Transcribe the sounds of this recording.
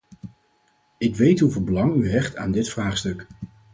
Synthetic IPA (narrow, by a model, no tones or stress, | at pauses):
ɪkʋejtɦuvɪːlˠbəlɑŋyɦɛχta̰ːndɪtfraːχstɵk